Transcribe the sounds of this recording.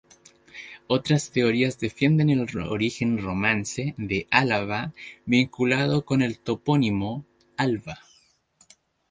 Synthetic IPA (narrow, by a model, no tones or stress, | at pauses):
o̞t̪ɾast̪e̞o̞ɾiazðe̞fje̞nd̪e̞ne̞lo̰ɾixe̞nro̞mãnse̞ðe̞ʔalaβaβiŋkulað̞o̞ko̞ne̞lt̪o̞po̞nimo | alβa